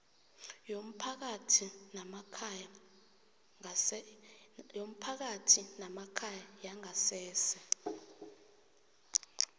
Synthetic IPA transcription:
jom̩pʰak̬atʰinamakʰaja | jom̩pʰak̬atʰinamakʰajajaŋʱasɛːsɛ

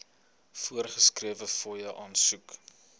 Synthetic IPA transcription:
fuərχəskriəvəfɔjəʔɑːnsuk

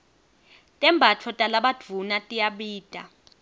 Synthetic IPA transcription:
tʼɛmbʱat͡fʰɔtʼalaɓad̥ʱvʱunatʼijaɓiːtʼa̰

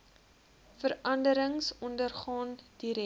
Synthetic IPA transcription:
fəɾɐndəɾəŋsɔndərχɑːndiɾɛ

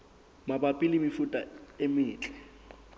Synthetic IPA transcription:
mabapʼɪlɪmifutʼaemɪːt͡ɬʼɛ̥

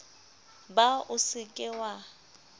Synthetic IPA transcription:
baʊsɪkʼɪwa

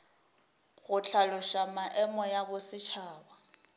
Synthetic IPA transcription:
ɣʊt͡ɬʰalʊʃamaʔɛmɔjabʊsɪt͡ʃʰaːba

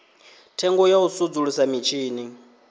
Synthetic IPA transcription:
tʰɛŋɡɔjausud͡zuɺusamit͡ʃʰiːni

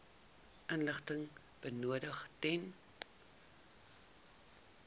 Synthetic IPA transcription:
ʔənləχtəŋ | b̥ənuədəχtɛn

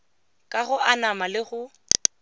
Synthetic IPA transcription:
kʼaɣʊʔanamalɪɣʊ

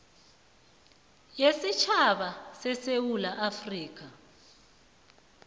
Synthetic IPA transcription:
jesit͡ʃʰaɓasɛsewulaʔafriːk̬a

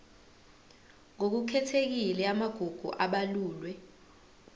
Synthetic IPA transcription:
ŋok̬ukʰɛtʰek̬ilɛamaɡ̥ʱuɡ̥ʱṵʔaɓaluːlwɛ

